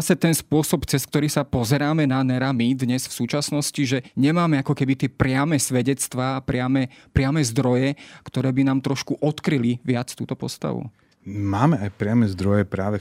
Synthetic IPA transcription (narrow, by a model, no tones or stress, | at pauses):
asɛt̪ɛnspʊɔsɔpt͡sɛsk̚t̪ɔɾiːsapɔzɛɾaːmɛnanɛɾamid̪ɲɛsfsuːt͡ʃasnɔsciʒɛɲɛmaːmɛakɔkɛbit̪ɪɛpɾɪamɛːsʋɛɟɛt͡st̪ʋaːpɾɪamɛpɾɪamɛːzd̪ɾɔjɛkt̪ɔɾɛːbinaːmt̪ɾɔʃkuʔɔt̪kɾiliʋɪat͡st̪uːt̪ɔpɔ̰st̪a̰ʋṵ | maːmɛajpɾɪamɛzd̪ɾɔjɛpɾaːʋɛ